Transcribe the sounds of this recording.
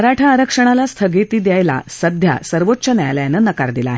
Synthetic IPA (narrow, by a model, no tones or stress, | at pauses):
ɾaʈʰaːɾəkʂəɽ̃alast̪ʰəɡet̪iːd̪jajla̰səd̪ʱja̰səɾʋotːɕənja̰jljanənəka̰ɾd̪ila̰ːɦ